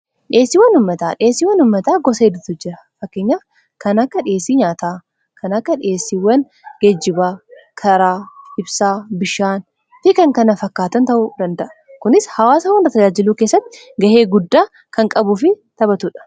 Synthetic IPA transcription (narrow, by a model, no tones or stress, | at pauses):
ᶑɪe̞ːsːiːwɐnʊmːɐt̪aːᶑɪeːsːiːwːɐnʊmːɐt̪aːɡɔseːd̪ʊt̪ʊd͡ʒɪɾɐfɐkːeːɲːaː | kɐnɐkːɐᶑɪesːiɲaːt̪aː | kɐnɐkːɐᶑɪeːsːiwɐn | ɡ̥ɛd͡ʒːɪbaːkʰɐɾaːɪbsaːbɪʃaːn | fɪkɐŋkɐnɐfɐkːaːt̪ɐnt̪ɐʔʊd̪ɐnd̪ɐʔɐ̥ | kʊnɪshɐwaːsɐwɐnrɐt̪ɐd͡ʒaːd͡ʒɪluːkeːsːɐt̪ːɪ̥ | ɡɐhe̞ːɡʊd̪ːaː | kɐŋkʼɐbʊfɪ | t̪ɐbɐt̪uːᶑɐ̥